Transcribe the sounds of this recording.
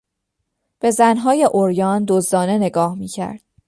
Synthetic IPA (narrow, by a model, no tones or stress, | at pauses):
b̥e̞zænɦɒːje̞ʔoɾjɒːnd̪ozd̪ɒːne̞ne̞ɡɒːhmiːcʰæ̰ɾd̪̥